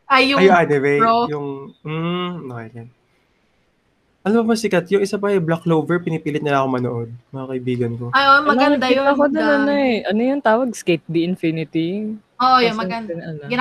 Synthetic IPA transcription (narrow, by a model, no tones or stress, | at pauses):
ʔɐjʊjoad̪ɛvɛjʊŋm̩ːoɐjɐn | ʔɐlɐmobɐsɪkɐt̪jʊŋʔɪsapɐhɐjblɐklowvɛɹpɪnipiːlɪt̪̚nɐlɐʔɐkoŋmɐnoʔo̞d̪̚mɐŋakɐʔɪbiːɡɐnko̞aʔommɐnɐd̪aɪj̪ɐkod̪onɐnoɛʔɐnojʊŋt̪aːwɐɡ̚skejt̪̚d̪ɪʔɪnfɪnɪt̪i | oʔjomɐɡɐnd̪ɐŋɐnɐɪ